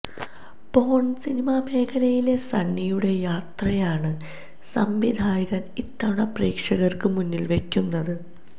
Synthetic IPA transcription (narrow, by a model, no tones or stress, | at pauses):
po̞ːɳsinimame̞ːkʰɐlɐjile̞sɐnːijuɽe̞jaːt̪rɐjaːɳɨ | sɐmʋid̪ʱaːjɐɣɐnit̪ːɐɳɐpriːkʂɐɣɐrkɨmunːilʋe̞kʲːunːɐðɨ